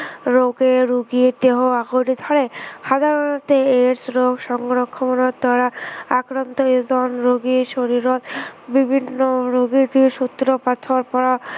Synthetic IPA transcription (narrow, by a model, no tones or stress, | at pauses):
ɾoɡeɾuɡiɾd̪eɦoaɡoʈid̪ʱɔɾeʃad̪ʱaɾonat̪eeɾsɾoɡʃɔŋɡɾokʰːomonoɾd̪aɾaakɾant̪oed̪ɔnɾoɡiʃoɾiɾot̪bibʱinːoɾuɡit̪iɾʃut̪ːɾopat̪ʰoɾpɔɾa